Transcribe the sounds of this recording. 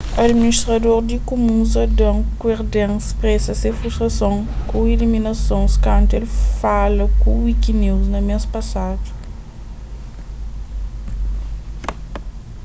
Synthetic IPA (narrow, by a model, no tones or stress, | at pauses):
ɐd̪miniʃt̪ɾɐd̪oɾd̪ikumũzɐd̪ɐ̃w̃kweɾd̪ẽspɾɛsɐsefɾuʃt̪ɾɐsõŋkũiliminɐsõnskɐ̃nt̪elfalɐkũwikiniwznɐmespɐsad̪u̥